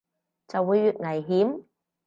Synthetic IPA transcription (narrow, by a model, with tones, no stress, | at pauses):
t͡sɐ˨wːuː˨˧jːyː˨t̚ŋɐ˨˩jɦiː˨˥m